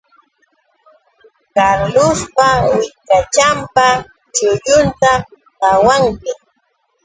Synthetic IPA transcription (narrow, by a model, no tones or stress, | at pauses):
kaɾlʊspawɪkat͡ʃampa | t͡ʃʊjʊnt̪a | kawaŋkɪ